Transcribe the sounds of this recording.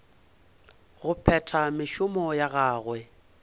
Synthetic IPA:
ɣʊpʰɛtʰamɪʃʊmɔjaɣaːɣwɛ

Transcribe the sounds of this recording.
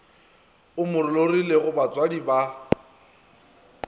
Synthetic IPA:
ʊmʊɾʊlorileɣʊbat͡sʼwadiba

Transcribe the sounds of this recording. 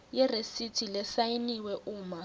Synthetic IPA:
jɛresitʰʼilɛsainiwɛʔuːma

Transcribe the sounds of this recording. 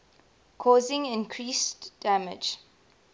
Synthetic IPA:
kʰɔːzɪ̃ŋɪ̃nkʰɹiːsd̥æmɪ̰d͡ʒ

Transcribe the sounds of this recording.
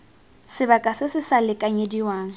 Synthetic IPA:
sɪbakʼasɪsɪsalɪkʼaɲediwaːŋ̩

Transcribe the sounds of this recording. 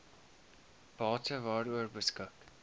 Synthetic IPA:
b̥ɑːtəvɑːɾuərbəskɔk

